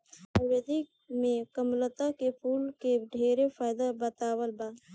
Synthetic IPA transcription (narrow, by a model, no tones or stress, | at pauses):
əɾed̪i | mẽkəmlət̪akepʰuːlkeɖʱeːɾepʰaːjd̪abət̪aːwəlbaː